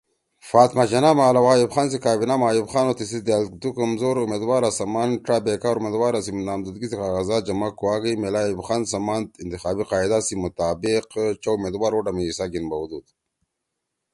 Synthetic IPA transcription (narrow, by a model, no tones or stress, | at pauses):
faːt̪mat͡ʃɐnamaːlawajubxaːns̬ikaːbinamaːjubxaːnot̪isisd̪eald̪ukɐmzoːɾumeːd̪waːɾasɐmaːnʈabekaːɾumed̪waːɾasimnaːmd̪ud̪ɡisikaːɣazad͡ʒɐmakuwaːɡɐmelaːjubxaːnsɐmaːnt̪int̪ixaːbiqɑːid̪asimʊt̪aːbiqt͡ʃaumeːd̪waːɾoɖamiisaɡinbawd̪ud̪